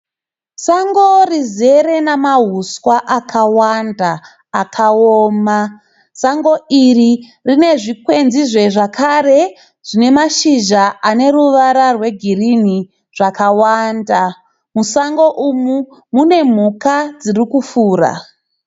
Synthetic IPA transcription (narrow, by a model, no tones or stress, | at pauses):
saŋɡo̞rize̞ɾe̞namaɦuswaʔakʰawandaː | kʰaoːma | saŋɡo̞ʔiri | rine̞ʐikwe̞nziʐe̞ʐakʰare̞ | ʐ̥ine̞maʃiʒaane̞ruʋaɾarwe̞ɡʱirini | ʐ̥akawanda | musaŋɡo̞ʔumu | mune̞m̤ukad͡zirikufuːra̰